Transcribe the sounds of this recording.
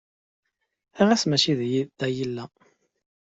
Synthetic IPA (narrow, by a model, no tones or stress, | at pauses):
æʁæsmæt͡ʃiðjid̪æjilːæ